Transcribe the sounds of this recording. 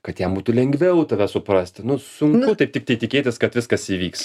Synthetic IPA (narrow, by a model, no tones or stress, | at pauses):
kɐt̪jɛmbuːt̪ʊlʲɛŋʲɡʋʲɛʊt̪ɐʋʲɛsʊpɾɑsʲt̪ʲɪnʊsʊŋkʊt̪ɐɪpt̪ʲɪk̚t̪ɐɪt̪ʲɪkʲeːt̪ʲɪskɐt̪ʋʲɪskɐsiːʋʲiːks